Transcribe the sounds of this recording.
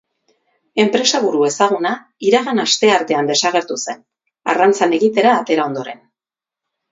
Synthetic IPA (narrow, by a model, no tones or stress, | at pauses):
e̞mpɾe̞saβuɾue̞saɣ̞una | iɾaɣanast̪e̞aɾt̪e̞and̪e̞saɣ̞e̞ɾt̪use̞n | a̰rant͡sane̞ɣit̪e̞ɾaːt̪e̞ɾao̞nd̪o̞ɾe̞n